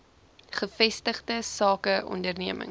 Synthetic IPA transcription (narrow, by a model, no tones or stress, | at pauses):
χəfɛstəχdəsɑːkəʔɔ̰ndərniəmə̰ŋ